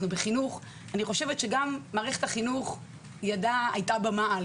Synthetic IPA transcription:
nubeχinuχ | aniχo̞ʃe̞vetʃeɡamːaːʁeχetaχinuχ | jadaa̰jtabamaa

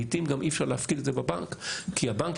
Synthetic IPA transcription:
it̪imɡamʔifʃaʁleafkid̪t̪zebabaŋkkʰːiabaŋk

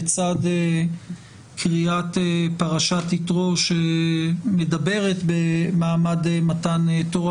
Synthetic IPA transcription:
t͡sade | kʰʁiatepaʁaʃat̪itʁoʃemedabe̞ʁe̞t̪bemaːmadmatantoʁa

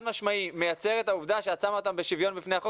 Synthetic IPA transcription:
d̪maʃmaime̞jat͡se̞ʁe̞t̪auvd̪aʃe̞at͡samot̪ambe̞ʃivjo̞nbifneaχo

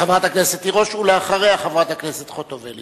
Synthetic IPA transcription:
χavʁat̪akneset̪ːiʁo̞ʃuleaχaʁeaχavʁat̪akneset̪χot̪oveli

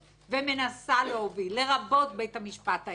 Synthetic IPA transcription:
veme̞nasaleovilːe̞ʁabo̞t̪̚be̞jtamiʃpat̪a

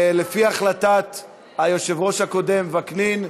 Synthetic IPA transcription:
lefiaχlat̪at̪ | hajo̞ʃe̞vʁo̞ʃhako̞d̪e̞mvaknin

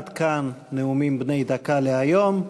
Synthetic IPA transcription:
d̪kanːeumimbnejd̪akaleajo̞m

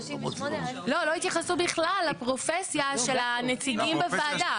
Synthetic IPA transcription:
lo̞loit̪jaχasubiχlalːapʁofesjaʃe̞lanet͡siɡimbefaːd̪a

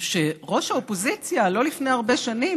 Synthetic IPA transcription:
ʃeʁo̞ʃhaopo̞zit͡sjalo̞lifne̞jaʁbe̞ʃani

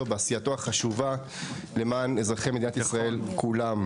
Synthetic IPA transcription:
obeasijato̞aχaʃuva | le̞maːnezʁaχejme̞d̪inat̪isʁae̞lkʰulam

